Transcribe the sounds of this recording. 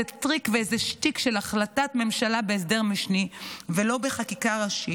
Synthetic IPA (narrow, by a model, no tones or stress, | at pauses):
etʁikveezeʃtikʃelaχlatatme̞mʃalabeːs̬d̪e̞ʁmiʃnivelo̞be̞χakikaʁaʃi